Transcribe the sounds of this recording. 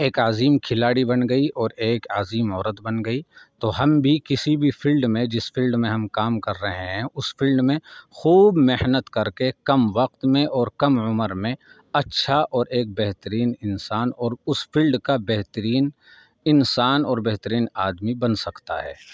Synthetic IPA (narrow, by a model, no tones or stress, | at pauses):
eːkaːziːmkʰɪlaːɽibɐnɡɐiʔɔːɾeːkaːziːmɔːɾət̪bɐnɡɐit̪oɦɐmbʱikɪsibʱipʰɪlɖmẽd͡ʒɪspʰɪlɖmẽɦɐmkaːmkɐɾːɐɦẽɦɛ̃ʊspʰɪlɖmẽxuːbmehnət̪kɐɾkekɐmʋɐq̚t̪mẽʔɔːɾkɐmʊməɾmẽ | ɐtːʃʰaʔɔːɾeːk̚bɛɦt̪əɾiːnɪnsaːnɔːɾʊspʰɪlɖkabɛɦt̪əɾiːn | ɪnsaːnɔːɾbɛɦt̪əɾiːnaːd̪mibɐnsɐkt̪a̰ɦɛ̰ː